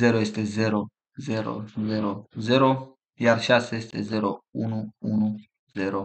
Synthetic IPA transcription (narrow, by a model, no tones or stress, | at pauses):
zeɾojest̪ezeɾo | zeɾo̰zeɾozeɾo | jarʃasejest̪ezeɾounuunu | zeɾo